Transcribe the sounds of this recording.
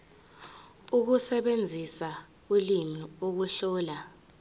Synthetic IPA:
uk̬usɛɓend͡zʱisa | ulimiok̬uɬɔːla

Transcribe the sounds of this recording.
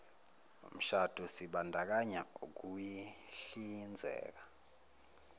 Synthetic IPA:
ṵm̩ʃad̥ʱɔsiɓandʱak̬aɲauk̬ujiɬind͡zʱɛ̰ːk̬ḁ

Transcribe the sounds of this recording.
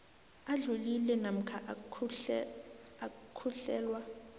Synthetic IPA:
aɮulilɛnam̩kʰaʔ | akʰuɬɛːlwa

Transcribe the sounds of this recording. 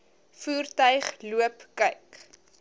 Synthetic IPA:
fuːrtœɥχluəpkœɥk

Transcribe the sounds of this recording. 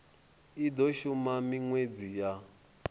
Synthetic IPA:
idɔʃumamiŋwed͡zija

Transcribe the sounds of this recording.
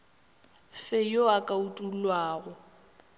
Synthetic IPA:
fɪjoakʼautʼulwaːɣʊ

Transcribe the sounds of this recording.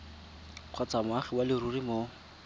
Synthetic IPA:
q͡χʰwat͡samʊaχɪwalɪrurimoː

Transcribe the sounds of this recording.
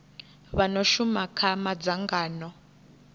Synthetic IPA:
βanɔʃumakʰamad͡zaŋɡaːnɔ

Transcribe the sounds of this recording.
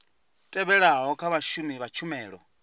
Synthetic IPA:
tʼɛβɛɺaɦɦɔkʰaβaʃuniβat͡ʃʰumɛːɺɔ̰

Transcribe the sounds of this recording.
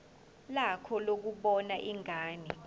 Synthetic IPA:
lakʰɔlok̬uɓɔnaʔiŋaːni

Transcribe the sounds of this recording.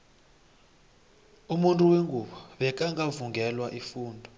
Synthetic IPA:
umuntʼuweŋɡuɓɔɓɛk̬ʼaŋɡʱavuŋɡʱɛlwaʔifuːndʱɔ

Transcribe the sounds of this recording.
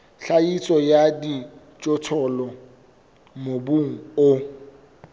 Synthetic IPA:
ɬaisʼɔjadi | t͡ʃʼɔtʰɔlɔ | mobuŋ̩o

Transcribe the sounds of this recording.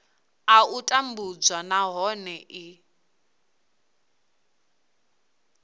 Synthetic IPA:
autʼambud͡zwanaɦɔnɛʔi

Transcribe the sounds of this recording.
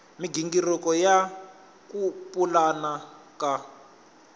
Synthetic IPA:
miɡiŋɡirɔkɔja | kupulana | ka

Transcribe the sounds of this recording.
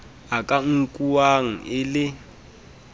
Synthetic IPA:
akʼaŋ̩kʼuwaŋ̩ɪlɪ

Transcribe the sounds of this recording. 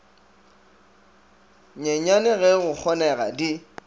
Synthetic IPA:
ɲɛɲanɪɣɛɣʊk͡xʰɔnɛɣa̰di

